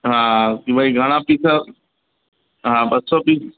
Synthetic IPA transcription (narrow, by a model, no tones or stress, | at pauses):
ɦãkibaiɡʱaɽ̃ãpiːt͡ʃʰa | ɦãbɐsopiː